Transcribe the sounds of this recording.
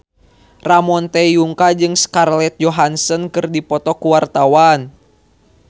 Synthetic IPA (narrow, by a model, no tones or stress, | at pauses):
ramɔnt̪ɛjuŋkad͡ʒɨŋskarlɛt̪̚d͡ʒɔɦansənkɨrdipɔt̪ɔkuwart̪awan